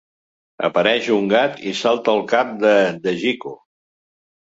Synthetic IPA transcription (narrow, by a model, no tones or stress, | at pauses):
ə̰pəɾɛʃuŋɡat̪isalˠt̪əlˠkap̚d̪əd̪əʒiku